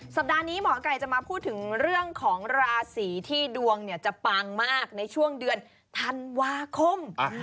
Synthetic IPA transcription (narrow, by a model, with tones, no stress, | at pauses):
sa˨˩p̚daː˧niː˦˥mɔː˩˦˧ka˧jt͡ɕa˨˩ʔmaː˧pʰuː˥˩t̪ʰːɯ˩˦ŋɾɯ˥˩əŋkʰɔː˩˦ŋɾaː˧siː˩˦t̪ʰiː˥˩du˧əŋni˥˩ət͡ɕa˨˩ʔpaː˧ŋmaː˥˩k̚na˧jt͡ɕʰu˥˩əŋdɯ˧ən | t̪ʰa˧nwaː˧kʰo˧˩m